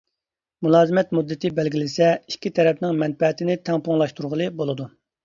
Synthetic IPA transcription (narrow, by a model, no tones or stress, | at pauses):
mulˠɑːzɨmɛt̪mud̪ːɨt̪ʰɪbɛlɡʲilɪsɛi̥kʲʰːit̪ʰɛɾɛpnɪŋmɛnfɛt̪ʰɪnɪt̪ʰɛŋpoŋlˠɑʃt̪uɾʁəlˠɨbolˠɨd̪u